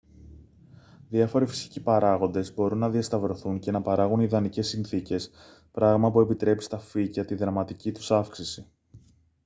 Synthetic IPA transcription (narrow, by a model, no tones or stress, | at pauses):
ðiɐfo̞ɾifi̥si̥cipɐɾɐɣo̞nd̪e̞zbo̞ɾunːɐðiɐst̪ɐvɾo̞θuɲce̞nɐpɐɾɐɣuniðɐnice̞sːinθice̞s | pɾɐɣmɐpue̞pit̪ɾe̞pi̥st̪ɐficɐt̪iðɾɐmɐt̪icit̪u̥sɐfksisi